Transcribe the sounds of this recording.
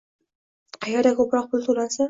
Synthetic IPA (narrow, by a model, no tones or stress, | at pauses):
qʰɑjɒɾd̪akʰɵpɾɒq̚pʰʊlˠt̪ʰolasa